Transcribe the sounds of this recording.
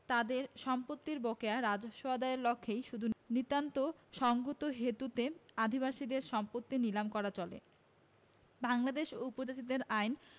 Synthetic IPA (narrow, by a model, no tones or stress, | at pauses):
t̪ad̪eɾʃɔmpot̪ːiɾbokeaɾad͡ʑoʃoad̪aeɾlɔkʰːejʃud̪ʱunit̪ant̪oʃɔŋɡot̪oɦet̪ut̪ead̪ʱibaʃid̪eɾʃɔmpot̪ːinilamkɔɾat͡ɕɔlḛ | baŋlad̪eʃoupod͡ʑat͡ɕid̪eɾajn